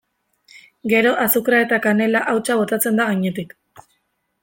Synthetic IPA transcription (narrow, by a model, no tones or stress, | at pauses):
ɡe̞ɾo̞ʔasukɾae̞t̪akane̞laʔawt͡ʃaβ̞o̞t̪at͡se̞nd̪aɣ̞aɲe̞t̪ik